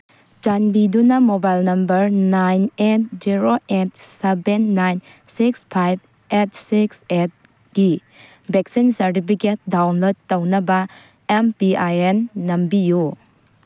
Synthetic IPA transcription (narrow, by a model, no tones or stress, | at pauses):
t͡ʃanbidunɐmobajlnɐmbɐɾnajnet̚d͡ʒiɾoet̚sebenːajn | sikspʰajb̚ | et̚sikset̚ | ɡ̥i | beksinsɐɾtipʰiket̚dawnlod̚tɐwnɐbɐ | empiajenːɐmbiju